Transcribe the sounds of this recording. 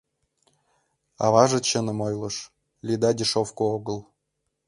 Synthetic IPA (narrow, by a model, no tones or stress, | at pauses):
ɑ̰vɑʒɤ̆t͡ɕə̆nɤ̆mojlˠɤ̆ʃ | lʲid̪ɑdʲiʃofkooɡɤ̆lˠ